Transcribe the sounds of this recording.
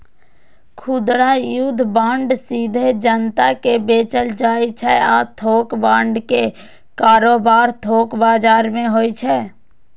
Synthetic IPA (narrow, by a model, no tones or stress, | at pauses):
kʰʊd̪ɽajud̪ʱbãːɳɖsiːd̪ʱed͡ʒənt̪akebeːt͡ʃəld͡ʒaːjt͡ʃʰɛat̪ʰoːkbãːɳɖke | kaːɾoːbaːɾt̪ʰoːkbaːd͡ʒaːɾmẽɦoːjt͡ʃʰɛː